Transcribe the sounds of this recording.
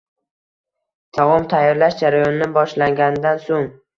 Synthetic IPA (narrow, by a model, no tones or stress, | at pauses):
t̪ʰɒʁɒmt̪ʰajɒɾlaʃd͡ʒaɾajɒnɪnɪbɒʃlaŋɡʲanɪd̪ansoŋ